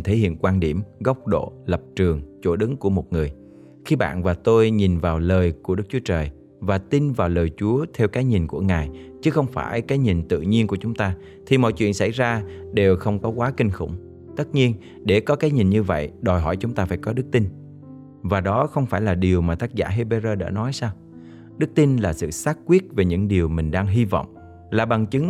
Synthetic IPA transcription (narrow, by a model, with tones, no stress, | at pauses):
t̪ʰe˧˥hḭ˧˨ənkwaː˧nɗi˧˩əmɣə˦˥wk͡p̚ɗo̰˧˨lə˨˩p̚t͡ɕɨ˨˩əŋt͡ɕo˧˩ɗɨ˨˦ŋku˧˩əmo˨˩t̚ŋɨ˨˩əj | xi˧ɓa̰ː˧˨nvaː˨˩t̪o˧jɲi˨˩nvaː˨˩wləː˨˩jku˧˩əɗɨ˦˥k̚t͡ɕu˨˦ə˦t͡ɕəː˨˩j | vaː˨˩t̪i˧nvaː˨˩wləː˨˩jt͡ɕu˨˦ət̪ʰɛ˧wkaː˨˦jɲi˨˩nku˧˩əŋaː˨˩jt͡ɕɨ˨˦xə˧wŋ͡mfaː˧˩jkaː˨˦jɲi˨˩nt̪ɨ̰˧˨ɲi˧ənku˧˩ət͡ɕʊ˨˦ŋ͡mt̪aː˧ | t̪ʰi˨˩mɔ̰˧˨jt͡ɕwḭ˧˨ənsa̰˧˩jzaː˧ɗe˨˩wxə˧wŋ͡mkɔ˨˦kwaː˨˦kï˧ŋ̟xʊ̰˧˩ŋ͡m | t̪ə˦˥t̚ɲi˧ən | ɗe˧˩kɔ˨˦kaː˨˦jɲi˨˩nɲɨ˧və̰˧˨jɗɔ˨˩jɦɔ̰˧˩jt͡ɕʊ˨˦ŋ͡mt̪aː˧faː˧˩jkɔ˨˦ɗɨ˦˥k̚t̪i˧n | vaː˨˩ɗɔ˨˦xə˧wŋ͡mfaː˧˩jlaː˨˩ɗi˨˩əwmaː˨˩t̪aː˦˥k̚za̰ː˧˩ɦe˧ɓe˧zəː˧ɗa̰ː˧˥nɔ˨˦jsaː˧w | ɗɨ˦˥k̚t̪i˧nlaː˨˩sɨ̰˧˨saː˦˥t̚kwi˦˥ət̚ve˨˩ɲɨ̰˧˥ŋɗi˨˩əwmï˨˩ŋ̟ɗaː˧ŋɦi˧vɔ̰˧˨wŋ͡m | laː˨˩ɓa˨˩ŋt͡ɕɨ˨˦ŋ